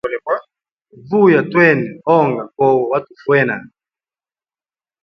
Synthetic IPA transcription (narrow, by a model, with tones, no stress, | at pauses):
lɛ˨a˦ | vu˦ja˨twɛ˦˨nɛ˨ɔ˦˨ŋɡa˨kɔ˦wɔ˨wa˦tu˨fwɛ˦na˨